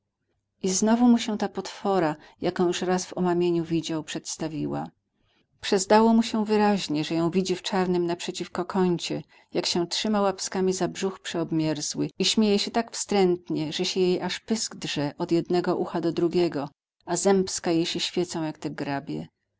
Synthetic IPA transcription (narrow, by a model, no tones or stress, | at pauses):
ʔiznɔvumuɕɛt̪apɔt̪fɔɾa | jakɔ̃juʂɾazvɔmamʲjeɲuvʲid͡ʑawpʂɛt̪st̪avʲiwa̰ | pʂɛzd̪awɔmuɕɛvɘɾaʑɲɛʐɛjɔ̃w̃vʲid͡ʑift͡ʂaɾnɘmnapʂɛt͡ɕifkɔkʰɔɲt͡ɕɛ | jakɕɛ̃tʂɘmawapskamʲizabʐuxpʂɛɔbmʲjɛɾzwɘiɕmʲjejɛɕɛt̪akfst̪ɾɛnt̪ɲɛʐɛɕɛjejʔaʂpɘsɡdʐɛʔɔd̪jɛd̪nɛɡɔʔuxad̪ɔd̪ɾuɡʲɛɡɔ | azɛmpskajejɕɛɕfʲjɛt̪sɔ̃w̃jakt̪ɛɡɾabʲjɛ̰